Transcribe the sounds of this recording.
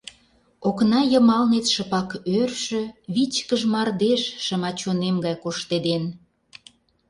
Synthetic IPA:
oknɑjəmɑlnet̪ʃə̆pɑkørʃø̆βit͡ɕkəʒmɑrd̪eʃʃə̆mɑt͡ɕonemɡɑjkoʃt̪ed̪en

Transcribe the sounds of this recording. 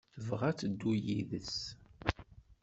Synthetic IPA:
θəvʁæt͡sːd̪ːujiðəs

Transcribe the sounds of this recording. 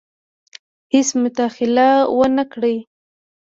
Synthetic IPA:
hɪsmʊt̪axɪlawanakɽəj

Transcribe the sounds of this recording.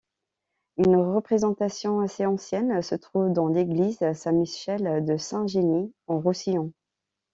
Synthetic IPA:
ynʁəpχezɑ̃t̪asjɔ̃aseɑ̃sjɛnsət̪χuvd̪ɑ̃leɡlizasɛ̃miʃɛld̪əsɛ̃ʒeniɑ̃ʁusiɔ̃

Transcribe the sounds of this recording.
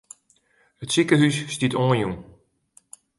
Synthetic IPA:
hətsikəɦysːtitoːnjum

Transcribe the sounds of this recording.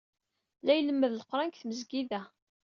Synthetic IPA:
læjləmːəðləqɾˤankθməzɡiðæ

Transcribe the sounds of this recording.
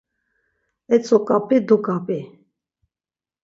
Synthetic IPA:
ɛt͡sʰʼɔkʼapʼɛd̪ɔkʼapʼi

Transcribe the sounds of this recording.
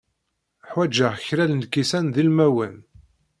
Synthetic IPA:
ħwæd͡ʒəʁçɾælnkːisænðilmæwən

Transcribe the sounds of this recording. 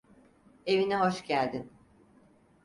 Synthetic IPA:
e̞vinɛɦo̞ʃɟælʲd̪in

